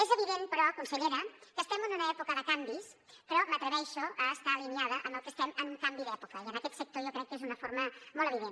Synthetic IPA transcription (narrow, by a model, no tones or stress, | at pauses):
ezəβ̞iðenpəɾɔkunsəʎeɾəkəst̪ɛmənunəɛpukəðəkambis | pəɾɔmət̪ɾəβɛʃuəːst̪aːliniað̞əʔəməlˠkəst̪ɛməŋkambiðɛpukəiənəkɛt̪sək̚t̪ojokɾɛkːezunəfoɾməmɔləβiðen